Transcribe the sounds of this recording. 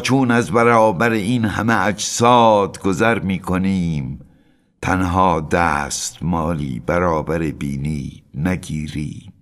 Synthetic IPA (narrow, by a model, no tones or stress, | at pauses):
t͡ʃʰuːnæzbæɾɒːbæɾeinhæ̰meæd͡ʒsɒːd̪ɡozæɾmiːkʰoniːm | t̪ʰænɦɒːd̪æst̪mɒːlḭːbæɾɒːbæɾebḭːniːnæɡiːɾḭːm